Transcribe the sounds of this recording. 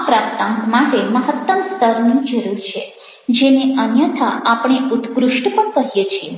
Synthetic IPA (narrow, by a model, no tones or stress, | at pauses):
apɾapt̪ãŋkmaʈeməɦət̪ːəmst̪ʰəɾnũd͡ʒəɾuɾt͡ʃʰe | d͡ʒeneʔənjət̪ʰaʔapɳ̃eut̪ʰkɾuʂʈpəɳkəɦjet͡ʃʰie